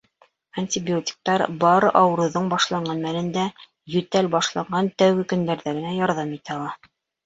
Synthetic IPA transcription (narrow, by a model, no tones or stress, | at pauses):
anʲtʲibʲiotʲi̥k̚t̪ɑɾbɑɾɤʔɑw̆ɾɤ̆ðɤɴbɑʃlˠɑɴɢɑnmælɘ̆nd̪æ | jɵ̆t̪ælbɑʃlˠɑɴɢɑnt̪æwɡɘkɵ̆nd̪æɾðæɡɘ̆næjɑɾðɑmit̪ælˠɑ